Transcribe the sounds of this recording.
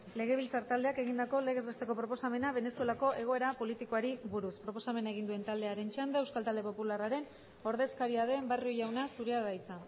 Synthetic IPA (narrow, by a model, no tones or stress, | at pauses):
le̞ɣ̞e̞β̞ilt͡saɾt̪ald̪e̞ake̞ɣind̪ako̞le̞ɣe̞zβest̪e̞ko̞pɾo̞po̞same̞naβ̞e̞ne̞sue̞lako̞ʔe̞ɣ̞o̞e̞ɾapo̞lit̪ikoaɾiβuɾuspɾo̞po̞same̞naeɣ̞ind̪ue̞nt̪ald̪e̞aɾe̞nt͡ʃand̪ae̞wskalt̪ald̪e̞po̞pularaɾe̞n | o̞ɾðe̞skaɾiaðe̞mbariojawnasuɾeaðajt͡sa